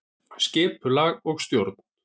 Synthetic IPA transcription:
scɪːpʏlaːɣɔɣst̪jowɾt̪n̥

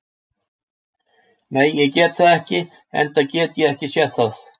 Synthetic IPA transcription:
nejjɛcɛːt̪θaɛhcɪ | ɛ̰nt̪acɛːt̪jɛɛhcɪsjɛθaθ

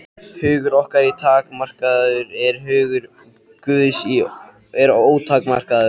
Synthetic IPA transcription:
hʏːɣʏɾɔhkaɾit̪ʰaːkmar̥kaððʏɾɛɾɦʏːɣʏɾ | kʏːðɪsi | ɛɾoːwt̪ʰaːkmar̥kaððʏ̥

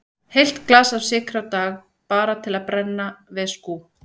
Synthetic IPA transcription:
hejl̥t̪klasav̥sɪːkɾawt̪aːɣ | paːɾat̪ʰɪlaðpɾɛnːavɪðsku

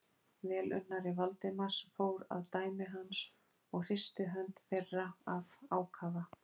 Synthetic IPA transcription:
vɛːlʔʏ̰nːaɾɪvalt̪ɪmasfoːwɾa̰wt̪aːjmɪɦans | ɔɣr̥ɪst̪ɪɦœnt̪ferːaavaːwkʰaːva

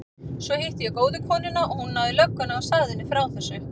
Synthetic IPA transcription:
svɔhejht̪ɪjɛkoːwðʏkʰɔːnɪnaʔɔhunːawðɪlœkːʏnaast̪aːðɪnːɪfɾawθɛsːʏ

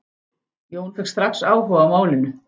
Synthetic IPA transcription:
joːwnfɪkst̪ɾaksaːwɦɔamaːwlɪnʏ

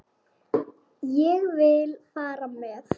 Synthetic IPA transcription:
jɛɣvɪlfaːɾamɛːθ

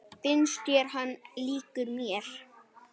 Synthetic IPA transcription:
fɪnst̪jɛɾ̥ɦanːliːkʏɾmjɛɾ̥

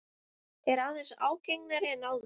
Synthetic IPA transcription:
ɛɾaðɛnsa̰ːwcejŋknaɾɪɛnawð

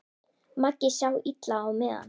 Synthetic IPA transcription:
makːɪɕawit̪laːwmɛða̰n

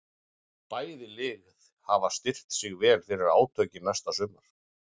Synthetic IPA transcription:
paːjðɪlɪːɣð | havast̪ɪr̥t̪sɪɣvɛːlfɪɾɪɾaːwt̪ʰœɥcɪnast̪asʏmaɾ̥

